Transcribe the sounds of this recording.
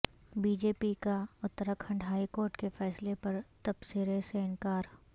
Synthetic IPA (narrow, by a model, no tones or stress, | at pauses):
biːd͡ʒeːpikaʊt̪ːəɾəkʰɐ̃ɳɖɦaːikoːɾʈkefʰɛːslepɐɾt̪ɐbsiɾeseɪnkaːɾ